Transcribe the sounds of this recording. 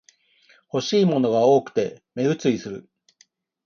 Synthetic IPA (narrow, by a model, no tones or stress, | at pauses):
ho̞ɕiːmo̞no̞ɡao̞ːkɯ̟̥t̪e̞me̞ɡɯ̟t͡sɨisɨɾɯ̟̰